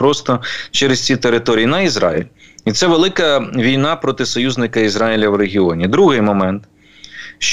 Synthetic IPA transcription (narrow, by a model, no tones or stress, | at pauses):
pɾɔst̪ɔt͡ʃɛɾɪst͡sʲit̪eɾɪt̪ɔɾʲijinɐizɾɑ̰ḭlʲit̪sɛʋelˠɪkɐʋʲijnɑpɾɔt̪ɪsɔjuzʲnɪkɐizɾɑjilʲɐwɾeɦʲiɔnʲid̪ɾuɦɪjmɔmɛnt̪ | ʃt͡ʃ